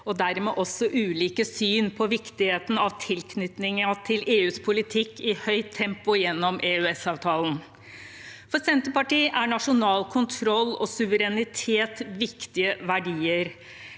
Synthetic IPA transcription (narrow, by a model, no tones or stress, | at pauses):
ɔd̪æɾmɛ̰ʔɔsːɔʔʉːliːkəsyːnpʰɔʋɪkt̪ɪheːt̪n̩ɑʋt̪ʰɪlkʰnʏt̪nɪŋəɑt̪ʰɪlʔeːʉːspʰʊlɪt̪ʰɪkːɪhœʏt̪ʰːɛmpʊjɛnːɔmʔeːʉɛsɑːʋt̪ʰɑːln̩ | fɔɾsɛnt̪əpɑʈiːʔæɳɑʂʊnɑːlkʰʊnt̪ʰɾɔlːɔsʉʋəɾɛnɪt̪ʰeːt̪ʋɪkt̪ɪəʋæɖiːəɾ